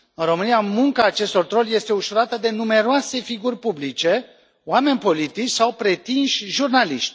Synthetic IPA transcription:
ɨnro̞mɨniamuŋkaːt͡ʃe̞st̪o̞rt̪ɾo̞lʲje̞st̪e̞uʃuɾat̪əd̪e̞nume̞ɾoase̞fiɡurʲpublit͡ʃe̞ | oame̞nʲpo̞lit̪it͡ʃʲsawpɾe̞t̪inʃʲʒurnaliʃt̪ʲ

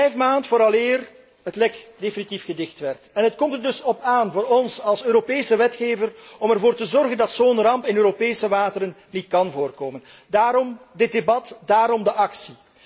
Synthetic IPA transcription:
vɛjfmaːntfoːɾɑlɪːr | ɦətlɛkdefinitifɣədɪxtʋɛrtɛnɦətkɔmtərdɵsɔpaːnvoːɾɔnsɑlˠsøːɾopeːsəʋɛtxeːvərɔmɛrvoːrtəzɔrɣəndɑtsoːnrɑmpɪnøːɾopeːsəʋaːtəɾənːitkɑnvoːrkoːmən | daːɾɔmdɪd̚debɑtdaːɾɔmdəʔɑksi

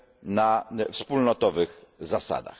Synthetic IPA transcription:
nafspulnɔt̪ɔvɘɣzasa̰d̪a̰x

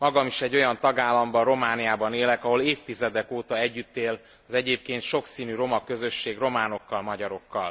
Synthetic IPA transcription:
mɒɡɒmiʃɛɟːo̞jɒnt̪ɒɡaːlːɒmbɒro̞maːnijaːbɒneːlɛkɒɦo̞leːft̪izɛd̪ɛkoːt̪ɒɛɟːyt̪ːeːl | ɒzɛɟeːp̚keːnt̪ʃo̞ksiːnyɾo̞mɒkø̞zø̞ʃːeːɡro̞maːno̞kːɒlmɒɟɒɾo̞kːɒl

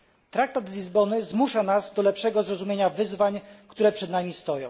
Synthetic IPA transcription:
t̪ɾak̚t̪ad̪zlʲizbɔnɘzmuʂanazd̪ɔlɛpʂɛɡɔzɾɔzumʲeɲavɘzvaɲkt̪uɾɛpʂɛd̪namʲist̪ɔjɔ̰̃w̃

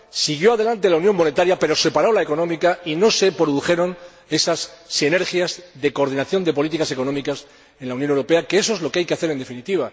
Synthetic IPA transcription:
siɣ̞jo̞aðe̞lant̪e̞launjo̞ŋmo̞ne̞t̪aɾjape̞ɾo̞se̞paɾo̞laeko̞nõmikaino̞se̞pɾoðuxe̞ɾo̞n | e̞sasːine̞ɾxjazðe̞koɾð̞inaθjo̞nd̪e̞po̞lit̪ikase̞ko̞nõ̞mikas | e̞nlaunjonewɾo̞pe̞akeso̞ezlo̞keajke̞aθe̞ɾe̞nd̪e̞finit̪iβa

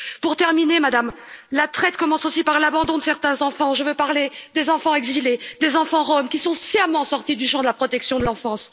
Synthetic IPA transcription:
puʁt̪ɛʁminemad̪amlat̪χɛt̪kɔmɑ̃sosipaʁlabɑ̃d̪ɔ̃d̪əsɛʁt̪ɛ̃zɑ̃fɑ̃ʒəvøpaʁled̪ezɑ̃fɑ̃ɛɡziled̪ezɑ̃fɑ̃ʁɔmkʲisɔ̃sjamɑ̃sɔʁt̪id̪yʃɑ̃d̪əlapχɔt̪ɛksjɔ̃d̪əlɑ̃fɑ̃s

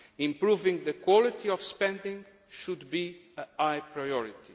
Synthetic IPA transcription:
ĩmpɾuvĩŋðɨkwɔlˠit̪ʰiɔvspɛ̃nd̪ɪ̃ŋ | ʃud̪biəajpɹajɔɹit̪i

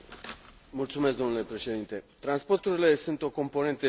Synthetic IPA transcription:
mult̪sume̞sk̚d̪o̞nule̞pɾe̞ʃe̞d̪int̪e̞t̪ɾanspo̞rt̪uɾile̞sunt̪o̞ko̞mpo̞ne̞nt̪ə

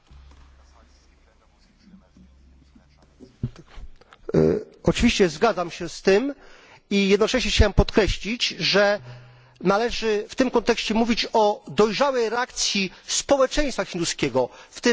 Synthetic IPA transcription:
ɔt͡ʂɨvʲiɕt͡ɕɛzɡad̪zamɕɛst̪ɘm | ijɛd̪nɔt͡ʂɛɕɲɛxt͡ɕawɛmpɔt̪kɾɛɕlʲit͡ɕʐɛ | nalɛʐɘft̪ɘmkɔnt̪ɛkɕt͡ɕɛmuvʲit͡ɕɔd̪ɔjʐawɛjɾɛakt̪sʲjispɔwɛt͡ʂɛ̃j̃st̪faxʲind̪uskʲɛɡɔft̪ɪ

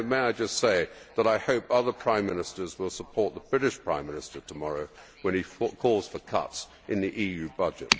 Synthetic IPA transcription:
meɪaɪd͡ʒʌstseɪðəɾaɪhoʊpʌðə˞pʰɹ̥ãɪ̃mːɪnɨstə˞zwɪlˠsəpʰɔɹt̪̚ðəb̥ɹɪɾɨʃpʰɹ̥ãɪ̃mːɪnɨstə˞tʰəmɑɹoʊ | wə̃nikʰɔlˠz̥fə˞kʰʌ̰ts | ʔɨ̃nðiʔijʉbʌd͡ʒɨ̰t̚

